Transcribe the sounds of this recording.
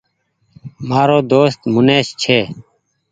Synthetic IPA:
maːɾoːd̪oːst̪mʊneːst͡ʃʰeː

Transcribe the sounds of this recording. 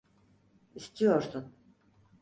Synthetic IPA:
ist̪ʰijoɾsun

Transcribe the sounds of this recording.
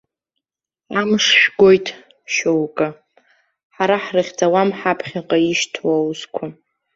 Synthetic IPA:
amʂʃᶣɡʷo̞jtʰʼ | ʃowkʼa | ħaɾaħrɨχʲd͡zawamħapʰχʲaqʼaiʃtʰwawzkʷʰa

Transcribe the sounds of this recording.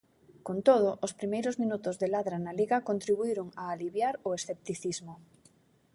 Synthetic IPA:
kont̪oð̞ʊʔospɾimejɾʊzmĩnut̪ʊzðelaðɾanaliɣɐkont̪ɾiβuiɾʊŋaːliβjaɾʊesθep̚t̪iθizmʊ

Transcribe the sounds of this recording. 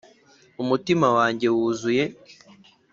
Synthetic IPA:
umutimawaːɲɟe̞wuzuje̞

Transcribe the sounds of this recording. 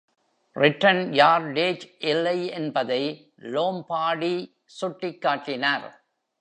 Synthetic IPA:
rɪʈːɐnjaːɾɖeːd͡ʒʔɪlːɐɪɛnbɐðɐɪ | loːmpaːɽi | sʊʈːɪkːaːʈːɪnaːɾ

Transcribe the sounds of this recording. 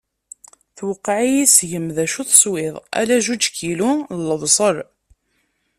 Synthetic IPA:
θwəqːʕijisʝəmðæʃuθəswɪðˤæ̰læʒud͡ʒkilulːəvsˤəɾ

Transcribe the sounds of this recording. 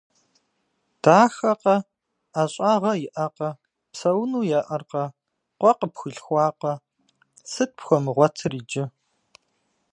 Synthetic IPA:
d̥aːxɐqɐ | aɕʼaːʁɐjɪʔɐqɐ | psɐwnuːjɛʔɐrqɐ | qʷɔqəpxɨɬxʷɑːqɐ | sɨt̚pxʷɔmɨʁʷɔtʰɨriːd͡ʒɪ

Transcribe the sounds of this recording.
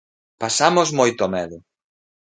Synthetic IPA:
pasamozmojt̪ʊɔmɛðʊ

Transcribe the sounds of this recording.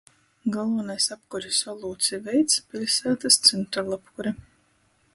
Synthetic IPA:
ɡalˠvanajsapkɔɾʲisvɔlˠuːt̪sʲivɛjt̪spʲilʲsæːt̪ast̪sɨnt̪ɾaɾlˠapkuɾʲɛ

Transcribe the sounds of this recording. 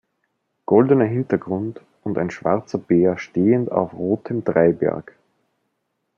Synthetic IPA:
ɡ̥ɔldənɐɦɪntɐɡʁʊnt | ʊnta̰ɪnʃv̥a̰ɐt͡sɐb̥eːɐʃteːənta̰ʊfʁoːtʰəmdʁaɪbɛ̰ɐk

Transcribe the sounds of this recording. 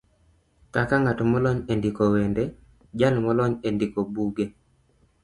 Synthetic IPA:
kakaŋatɔmɔlɔɲendikowende | d͡ʒalmɔlɔɲendikobuɡe

